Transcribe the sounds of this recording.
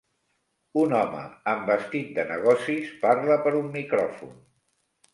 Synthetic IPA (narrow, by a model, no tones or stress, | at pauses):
unɔmə̰əmbəst̪it̪̚d̪ənəɣ̞ɔsisparləpəɾumːikɾɔfṵn